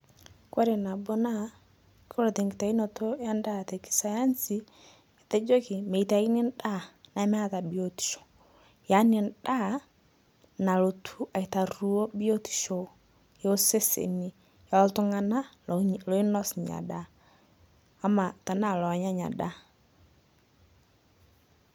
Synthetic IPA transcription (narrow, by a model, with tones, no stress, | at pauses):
kwa˦ɾe˨na˨bo˦na˦ | ko˦ɾo˨te˨ŋɡɪ˨ta˨i˦no˨to˦ja˦nda˦te˨ki̥˨sa˨ja˦nsi˦ | e˨te˦d͡ʒo˦kɪ˨me˨i˨ta˨i˦nɪ˦nda˦˨na˨˦m˦a˦ta˨bi˨o˨ti̥˨ʃo̥˨ | ja˨˦ne˨nda˦˨ | na˨lo˨tʰu˦a˨i˨ta˨ru˨o˦bi˦o˦ti̥˨ʃo˨ | jo˦o˦se˦sḛ˨ni˨ | ja˨˦ltʊ˦ŋa˨na˦ | lo˨˦ɪ˦nɔ˦sɲa̰˨da˦ | ma˨ta˨na˦˨lɔ˨ɲa˦ɲa̰˨da˦